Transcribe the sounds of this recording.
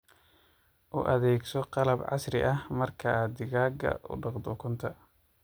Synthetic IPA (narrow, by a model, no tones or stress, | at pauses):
ʔʊʔɐðɛːɡsɔqɑlɐbʕɑ̰srɪ̰ʔɐhmɐrkʰɐd̪ɪɣaːɡɐ̰ʔʊ̰ɖɑqd̪ʊkʰʊnt̪ʰɐ